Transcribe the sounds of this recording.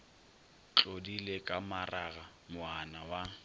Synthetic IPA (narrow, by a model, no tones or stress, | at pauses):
t͡ɬʼodilekʼamaraɣa | mʊanawa